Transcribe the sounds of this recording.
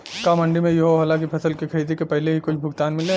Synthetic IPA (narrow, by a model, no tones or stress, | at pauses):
kamɐ̃ɳɖimẽjɐɦoɦɐlãkipʰɐsəlkikʰɐɾiːd̪ekepɛɦleɦikʊt͡ʃʰbʱʊɡt̪aːnmɪlẽ